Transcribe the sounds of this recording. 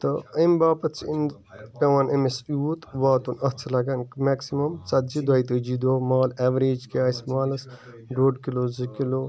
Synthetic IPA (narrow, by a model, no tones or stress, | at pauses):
t̪əəmbaːpɐt̪t͡ʃʰiin | pɐʋɐnʔemesut̪ʋaːt̪unɐt͡sʰlɐɡɐnkmeksimɐmt͡sɐt̪̚d͡ʒid̪ɐjt̪ɨd͡ʒid̪oːmaːleʋɾeːd͡ʒkiaːsmaːlɐs | ɖoːɖkiloːzikiloː